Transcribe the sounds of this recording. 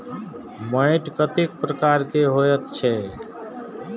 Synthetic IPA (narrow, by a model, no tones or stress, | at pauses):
məɪʈkət̪ik̚pɾəkaɾkeɦojət̪t͡ʃʰɛ